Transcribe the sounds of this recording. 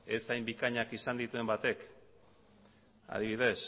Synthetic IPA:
e̞sajmbikaɲakisand̪it̪ue̞mbat̪e̞k | a̰ðiβiðe̞s

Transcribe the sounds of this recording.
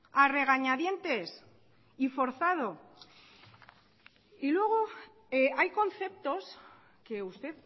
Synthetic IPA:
are̞ɣ̞aɲaðje̞nt̪e̞s | ifo̞ɾθað̞o̞ | ilwe̞ɣ̞o̞ | eʔajko̞nθe̞p̚t̪o̞s | ke̞ust̪e̞θ

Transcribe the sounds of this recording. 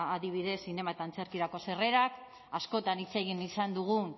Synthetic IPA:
aðiβ̞iðe̞sːine̞maet̪aːnt͡se̞ɾkiɾako̞se̞re̞ɾak | asko̞t̪anit͡se̞ɣ̞inisand̪uɣ̞un

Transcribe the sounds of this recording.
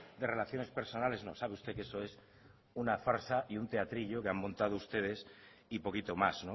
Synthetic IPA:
d̪e̞relaθjo̞ne̞spe̞ɾso̞nale̞znosaβeust̪eke̞so̞e̞s | unafaɾsaʔiunt̪e̞at̪ɾiʎo̞keammõnt̪að̞oust̪e̞ð̞e̞s | ipo̞kit̪o̞masno

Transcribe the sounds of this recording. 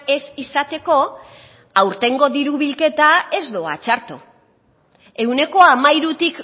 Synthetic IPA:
e̞sisat̪e̞ko̞ | awɾt̪e̞ŋɡo̞ðiɾuβ̞ilke̞t̪ae̞zðoa̰t͡ʃaɾt̪o̰ | e̞wne̞ko̞amajɾut̪ik

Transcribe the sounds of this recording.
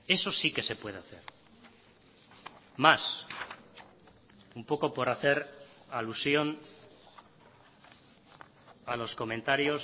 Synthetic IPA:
e̞so̞sike̞se̞pweð̞eaθe̞ɾ | mas | umpo̞ko̞po̞ɾaθe̞ɾalusjo̞n | alo̞sko̞mẽnt̪aɾjo̞s

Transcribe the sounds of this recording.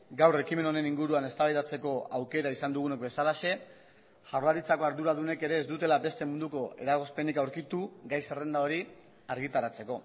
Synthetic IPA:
ɡawre̞kime̞no̞ne̞niŋɡuɾuane̞st̪aβajðat͡se̞ko̞awke̞ɾaisand̪uɣ̞une̞k̚be̞salaʃe̞ | ʝawɾlaɾit͡sako̞aɾðuɾaðune̞ke̞ɾe̞ːzd̪ut̪e̞labe̞st̪e̞mund̪uko̞e̞̰ɾaɣ̞ospe̞nikawɾkit̪uɡajse̞re̞nd̪ao̞ɾi | aɾɣit̪aɾat͡se̞ko̞

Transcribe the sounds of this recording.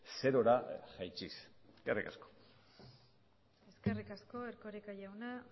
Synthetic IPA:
se̞ɾoɾaʝajt͡ʃisskerika̰sko̥ | e̞ske̞rikasko̞eɾkoɾikaʝawna

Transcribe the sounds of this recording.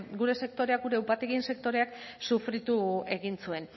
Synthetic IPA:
ɡuɾe̞se̞k̚t̪o̞ɾe̞ak̚ɡuɾeːwpat̪e̞ɣinse̞k̚t̪o̞ɾe̞aksufɾit̪ue̞ɣinsue̞n

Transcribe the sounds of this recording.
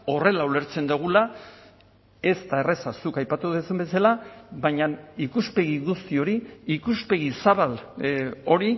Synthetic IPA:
o̞re̞laule̞ɾt͡se̞nd̪uɣ̞ula | e̞st̪ae̞re̞sasukajpat̪uðesumbe̞salaβaɲanikuspe̞ɣ̞iɣust̪io̞ɾiikuspe̞ɣ̞isaβal | o̞ɾi

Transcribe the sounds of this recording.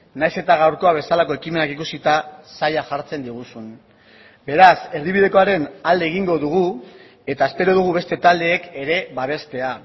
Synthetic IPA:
najse̞t̪aɣ̞awɾko̞aβ̞e̞salako̞e̞kime̞nakikusit̪asajaʝaɾt͡se̞nd̪iɣ̞usun | be̞ɾase̞riβ̞iðe̞ko̞aɾe̞nald̪e̞eɣ̞iŋɡo̞ðuɣ̞u | e̞t̪ae̞spe̞ɾo̞ð̞uɣ̞uβe̞st̪e̞t̪ald̪e̞ːke̞ɾe̞βaβ̞e̞st̪e̞a

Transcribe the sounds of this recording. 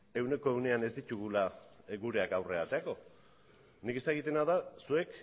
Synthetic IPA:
e̞wne̞ko̞ewne̞ane̞zd̪it̪uɣulaɣuɾe̞akawre̞at̪e̞ako̞ | nike̞st̪aɣit̪e̞naðasue̞k

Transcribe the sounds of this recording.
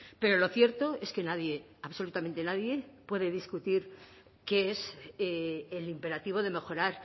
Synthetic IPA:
pe̞ɾo̞lo̞θje̞ɾt̪o̞e̞ske̞naðje̞aβso̞lut̪ament̪e̞naðje̞pwe̞ðe̞ðiskut̪iɾ | keeseelimpe̞ɾat̪iβ̞o̞ðe̞me̞xo̞ɾaɾ

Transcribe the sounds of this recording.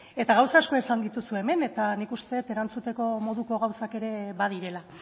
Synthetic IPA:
e̞t̪aɣ̞awsaːsko̞esand̪it̪usue̞me̞ne̞t̪anikust̪e̞t̪e̞ɾant͡sut̪e̞ko̞mo̞ðuko̞ɣawsake̞ɾe̞βað̞iɾe̞la

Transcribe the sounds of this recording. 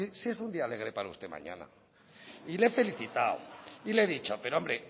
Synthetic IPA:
iseesund̪ialeɣ̞ɾepaɾṵst̪e̞ma̰ɲa̰na̰ | ilefe̞liθit̪awileðit͡ʃopeɾoombɾe

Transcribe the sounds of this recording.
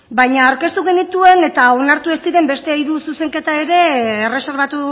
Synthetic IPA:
bajɲaːwɾke̞st̪uɣe̞nit̪ue̞ne̞t̪ao̞naɾt̪ue̞st̪iɾe̞mbe̞st̪e̞ajɾususe̞ŋke̞t̪ae̞ɾe̞ere̞se̞ɾβat̪u

